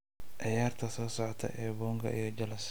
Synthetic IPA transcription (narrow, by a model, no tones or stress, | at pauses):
ʔɛjaːrt̪ʰɐsɔːsɔʕɔt̪ʰɐ̰ʔɛːbɔːŋkʰɐ̰ʔḭjɔd͡ʒɐlɐs